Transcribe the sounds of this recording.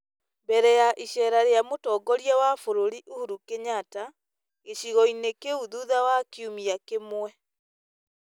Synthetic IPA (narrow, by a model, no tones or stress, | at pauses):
bɛɾɛjaʔiʃɛːɾaɾeamotɔɡɔɾiawafoɾoɾiʔuhuɾukeɲata | eʃiɣɔinekeuðuðawakiumiakemwɛ